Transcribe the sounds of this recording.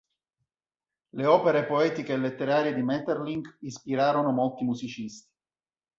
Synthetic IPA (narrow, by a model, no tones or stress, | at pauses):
leɔːpeɾepoɛːt̪ikeːlet̪ːeɾaːɾjed̪imɛt̪erliŋɡispiɾaːɾonomolt̪imuzit͡ʃist̪i̥